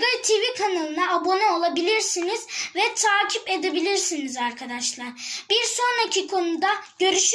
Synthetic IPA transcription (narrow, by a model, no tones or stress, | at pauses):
ɡat̪ʰivikʰanalˠɯnaːbo̞nɛo̞lˠabilʲiɾsiniz̥vɛt̪ʰaːcʰipe̞d̪e̞bilʲiɾsinizaɾkʰad̪aʃlˠaɾbiɾso̞nɾacʰikʰo̞nud̪aɟ̥ø̞ɾyʃ